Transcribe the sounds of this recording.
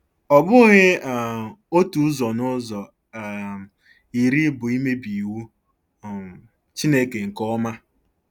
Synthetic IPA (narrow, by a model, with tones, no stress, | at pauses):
ɔ˨bʊ˦ɣɪ˦˨ | o˦tu˨˦zɔ˨nʊ˦zɔ˨ | i˨ɾi˦bʊ˨i˦me˦bi˨wu˦˨ | t͡ʃi˦ne˦ke˨ŋ̩˨kɔ˦ma˦